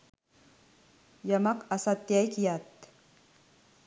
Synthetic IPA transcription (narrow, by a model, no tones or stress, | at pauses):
jɐmakasat̪jajkjat̪